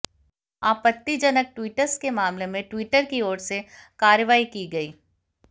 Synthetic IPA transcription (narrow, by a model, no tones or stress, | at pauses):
aːpət̪ːid͡ʒɐnək̚ʈwiːʈəɾskemaːmlemẽʈwiːʈəɾkioːɾsekaːɾjəʋaːikiɡɐiː